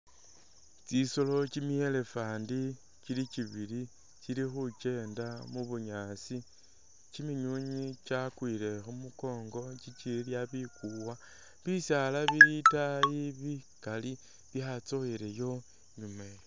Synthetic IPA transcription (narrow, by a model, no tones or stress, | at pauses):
t͡sisolo̞t͡ʃimie̞le̞faːndi | t͡ʃilit͡ʃiβili | t͡ʃilixut͡ʃe̞ːndamuβuɲaːsi | t͡ʃimiɲuɲit͡ʃakwile̞xumuko̞ːŋɡo̞t͡ʃit͡ʃiiljaβikuwa | βisjalaβiitajiβi | kali | βjat͡so̞jile̞jo̞ | ɲume̞